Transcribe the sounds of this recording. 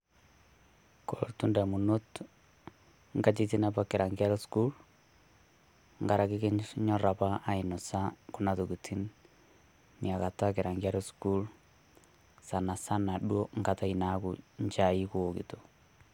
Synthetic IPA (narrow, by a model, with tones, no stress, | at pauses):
ko˨ɾo̰˨ɾtu˦nda˨mu˨no˦t | ŋɡa˦t͡ʃi˦ti˦na˦pa˨kɪ˨ɾa˨ŋɡi˦a˦ɾɔ˦sku˦l | ŋɡa˨ɾa˨kɪ˦kɪ˦nɲɔ˦ɾa˨pa˦ʔa˦ɪ˨nɔ˨sa˦kʊ˦na˨to˨ki˨tʰi˦n | nia˨ka˨ta˦kɪ˨ɾa˨ŋɡi˦a˦ɾɔ˦sku˦l | sa˨na˨sa˦na˨ɗwo˦ŋɡa˦ta˦i˨na˦kṵɲt͡ʃa˨i˦ku˦˨kḭ˨to